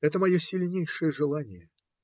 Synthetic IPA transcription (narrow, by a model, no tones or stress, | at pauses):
ɛt̪əmɐjosʲɪlʲnʲejʂɨjəʐɨlˠanʲɪjə